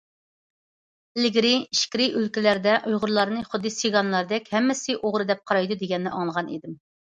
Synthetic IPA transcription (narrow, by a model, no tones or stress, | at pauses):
lɪɡʲɾɪiʃkʲɾɪʔølkʲilæɾd̪ɛʔujʁʊɾlˠɑɾnɨχʊd̪ːɨsiɡɑnlˠɑɾd̪ɛkʲhɛmːɪsɪʔoʁɾɨd̪ɛp̚qʰɑɾɑjd̪ud̪eɡʲɛnːɪʔɑŋlˠəʁɑnḭd̪ɪm